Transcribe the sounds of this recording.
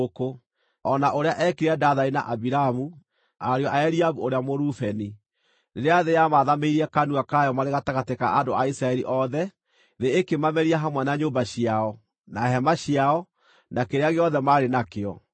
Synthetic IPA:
oko | ɔnaʔoɾeaʔɛkiɾɛdaðaena̰ʔabiɾamu | aɾeɔʔaɛɾiaβuoɾeamoɾufɛni | neɾeaðejamaðameiɾiɛkanuakajɔmaɾeɣataɣateka̰andoaisɾaɛɾiʔɔðɛ | ðeekemamɛɾiaɦamwanaɲombaɕiaɔ | naɦɛmaɕiaɔ | nakeɾeaɣeɔðɛmaɾenakeɔ̰

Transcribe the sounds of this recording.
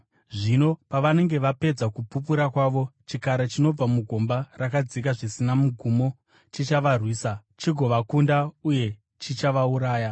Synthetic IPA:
ʐino̞paʋane̞ŋɡe̞ʋape̞d͡zakupup̬uɾakwaʋo̞t͡ʃikaɾet͡ʃino̞b͡vamuɡʱo̞mbarakad͡zik̬aʐisinamuɡʱumo̞ | t͡ʃit͡ʃaʋarwiːsat͡ʃiɡʱo̞ʋakundauje̞ | t͡ʃit͡ʃaʋauɾaːja

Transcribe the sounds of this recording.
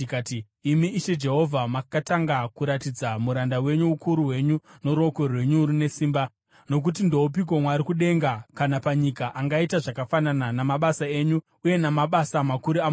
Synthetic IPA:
kati | imiʔiʃe̞d͡ʒe̞ɦo̞vʱamakataŋɡakuɾatid͡zamuɾandawe̞ɲuukuɾuwe̞ɲuno̞ɾo̞korrwe̞ɲuɾine̞siːmba | no̞k̬ut̬indo̞up̬ik̬o̞mwaɾikuɗe̞ŋɡakanapaɲikaʔaŋɡaitaʐakafanananamaɓasae̞ːɲu | uje̞namaɓasamakuɾiam

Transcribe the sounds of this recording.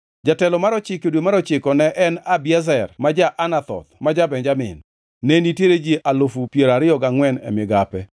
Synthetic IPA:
d͡ʒatɛlɔmaɾɔt͡ʃɪkodwomaɾɔt͡ʃɪkɔnɛʔɛnabɪɛzɛrmad͡ʒaʔanat̪ɔ̰t̪mad͡ʒabɛnɲd͡ʒamɪ̰nː | enitjeɾed͡ʒiʔalofupjeɾaɾɪɔɡaŋwɛnɛ̰mɪɡapɛ

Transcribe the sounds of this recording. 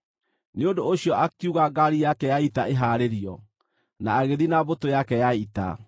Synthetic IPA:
neondoːɕiɔʔakiuɣaɡaɾijakɛjaitaeɦaːɾeɾiɔ | naːɣeðinaβotojakɛjaita̰

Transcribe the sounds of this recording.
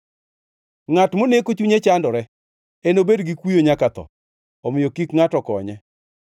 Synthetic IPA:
ŋatmonekot͡ʃuɲet͡ʃandɔɾɛ | enobedɡikwijoɲakat̪ɔ̰ | ɔmɪjokikŋatɔkɔɲɛ

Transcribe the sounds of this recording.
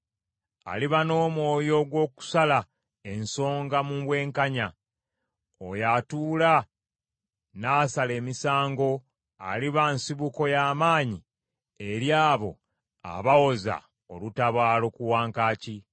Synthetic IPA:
a̰liβano̞ːmwo̞ːjo̞ɡwo̞ːku̥sala | e̞nso̞ːŋɡamuβwe̞ːŋkaɲa | ojatuːla | nasale̞ːmisaːŋɡo̞ | a̰liβansiβuko̞jaːmaːɲi | e̞ɾjaːβo̞̰ | a̰βawo̞za̰ | o̞lutaβaːlo̞kuwaːŋkaːci

